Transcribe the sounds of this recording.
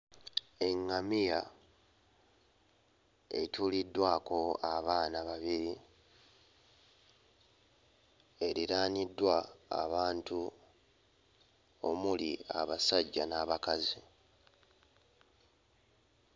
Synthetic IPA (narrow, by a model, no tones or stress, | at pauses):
e̞ŋːamija | ḛtulidːwaːko̞aβaːnaβaβiɾi | e̞ɾiɾaːnidːwa̰ːβaːntu | o̰mulia̰βasaɟːanaːβakazi